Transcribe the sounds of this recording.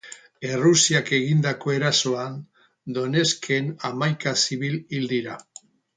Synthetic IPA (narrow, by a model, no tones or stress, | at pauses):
e̞rusiake̞ɣ̞ind̪ako̞e̞ɾaso̞an | d̪o̞ne̞skʰenamajkasiβilild̪iɾa